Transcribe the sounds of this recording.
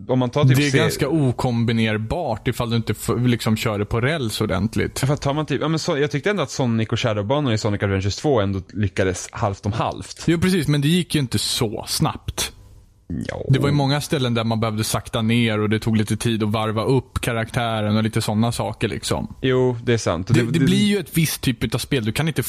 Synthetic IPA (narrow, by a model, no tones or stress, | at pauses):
ɔmːant̪ʰɑːɾd̪ʰːɛæɡanskauːkʰɔmbɪneːɾbɑːʈɪfald̪ɵɪnt̪əflɪksɔmɕœːɖəpʰɔɾɛlsɔd̪ɛ̰nt̪ʰlɪ̰t̪ːfɾat̪ʰːɑːɾmant̪ʰyːpjɑːmɛnsɔjɑːɡ̚t̪ʏkt̪əɛnd̪ʊat̪sɔnːɪkɔɕæːɖobɑːnənɪsɔnːɪkad̪vɛnəst̪ʰvoːɛnd̪olʏkːad̪əshalft̪ɔmha̰lft̪juːpɾɛsiːsmɛnd̪ɛjɪkːjɵɪnt̪əsɔ̰sna̰pt̪ | d̪ɛvaɾjɵmɔŋːast̪ɛlːənd̪æɾmanbɛhœːvd̪əsakt̪aneːɾɔd̪ɛt̪ʰuːɡliːt̪ət̪ʰiːd̪ɔvaɾvaʔɵpːkʰaɾakt̪ʰæːɾənɔliːt̪əsɔnːasɑ̰ːkəɭɪ̰ksɔ̰mjuːd̪ɛæsa̰nt̪ɔd̪ɛd̪ɛblɪɾjɵɛt̪vɪst̪ʰːyːpɵt̪avspeːld̪ɵkʰanɪnt̪ə